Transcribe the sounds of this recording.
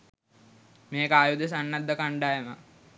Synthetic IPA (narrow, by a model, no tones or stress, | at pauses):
meːkəaːjud̪es̬anːad̪ːəkaɳɖajəmə